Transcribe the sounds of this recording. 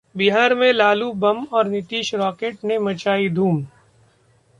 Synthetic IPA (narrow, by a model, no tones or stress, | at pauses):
biɦaːɾmẽlaːlubɐmɔːɾnɪt̪iːʃɾɔːkeːʈnemɐt͡ʃaːid̪ʱuːm